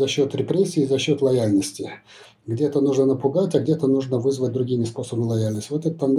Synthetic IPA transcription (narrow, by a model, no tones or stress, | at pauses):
zɐɕːo̞t̪ɾʲɪpɾʲesʲːɪːzɐɕːo̞t̪lˠɐjalʲnəsʲtʲɪ | ɡdʲe̞t̪ənuʐnənəpʊɡatʲɐɡdʲe̞t̪ənuʐnəvɨzvət̚ʲd̪ɾʊɡʲimʲɪspo̞səbəmʲɪlˠɐjalʲnəsʲtʲvot̪ɛt̪t̪ːan